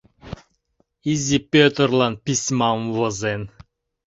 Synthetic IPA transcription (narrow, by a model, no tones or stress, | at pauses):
izʲipʲøt̪əɾlˠan̚pisʲmamvozen